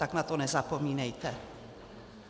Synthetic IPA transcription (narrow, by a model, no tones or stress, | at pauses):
aknat̪onɛzapomiːnɛjt̪ɛ